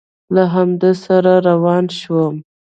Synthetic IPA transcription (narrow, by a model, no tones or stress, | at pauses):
laɦamd̪esaɾaɾawɑnʃwəm